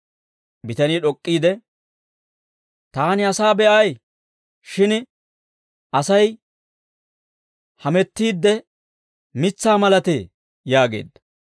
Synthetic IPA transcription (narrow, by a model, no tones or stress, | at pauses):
bɪt̪ɐniːᶑɔkʼːiːd̪ɛ | t̪aːnɪɐsaːbɛʔɐj | ʃɪn | ʔɐsɐj | hɐmɛt̪ːiːd̪ːɛ | mɪt͡sːaːmɐlɐt̪e | jaːɡḛːd̪ːɐ